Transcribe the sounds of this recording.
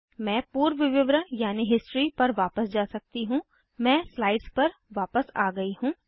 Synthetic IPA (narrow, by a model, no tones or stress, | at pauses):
mɛ̃ːpuːɾʋɪʋɪʋɾəjaːniɦɪsʈɾipɐɾʋaːpəsd͡ʒaːsɐk̚t̪iɦũː | mɛ̃ːslaːɪɖspɐɾʋaːpəsa̰ːɡɐiɦũː